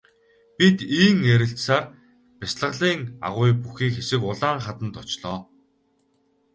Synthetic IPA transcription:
pʲit̪iːŋeɾɪ̆ɬt͡ɕsaːr | pɪsɮə̆ʁɮiːŋa̰ʁʊjpuxiːkxesɘ̆kʊɮaːɴχat̪ə̆nt̪ʊt͡ɕɮɔː

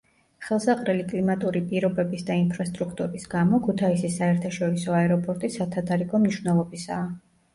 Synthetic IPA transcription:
χɛlˠsaqʼɾɛlikʼlimat̪ʼuɾipʼiɾɔbɛbisd̪ainpʰɾast̪ʼɾukʰt̪ʼuɾisɡamɔkʰut̪ʰaisisaɛɾt̪ʰaʃɔɾisɔaɛɾɔpʼɔɾt̪ʼisat̪ʰad̪ʰaɾiɡɔmniʃvnɛlˠɔbisa̰ː

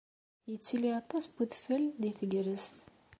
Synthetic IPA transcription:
jət͡sːiliat̪ɑsbuðfəld̪iθəɡɾəst̪

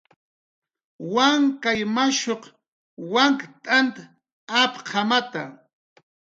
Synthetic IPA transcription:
waŋkajmaʃoq | waŋkt̪ʼant̪a | apqʰamat̪a̰

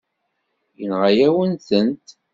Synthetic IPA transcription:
jənʁajæwənθənt̪

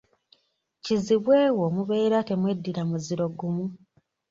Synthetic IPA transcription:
ciziβwe̞ːwo̞muβe̞ːɾate̞mwe̞dːiɾamuziɾo̞ɡumu

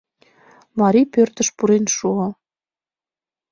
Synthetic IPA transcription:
mɑɾipørt̪ə̆ʃpuɾenʃuo

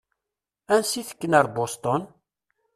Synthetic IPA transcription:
ænsiθə̥kːənəɾˤbost̪ˤɔn

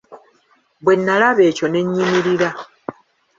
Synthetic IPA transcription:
βwe̞nːalaβe̞ːco̞ne̞ɲːimiɾiɾa

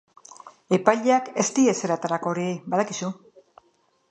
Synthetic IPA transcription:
e̞pajʎeake̞st̪ie̞se̞ɾat̪aɾako̞ːɾibað̞akisu

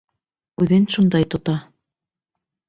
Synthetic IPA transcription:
ʉðɘnʃund̪ɑjt̪ŏt̪ɑ

